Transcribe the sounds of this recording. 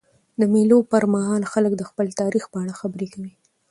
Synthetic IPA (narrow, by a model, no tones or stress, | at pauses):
d̪əmelopəɾmaɦɑlxaləkd̪əxpəlt̪ɑɾixpəaɽaxabəɾekawi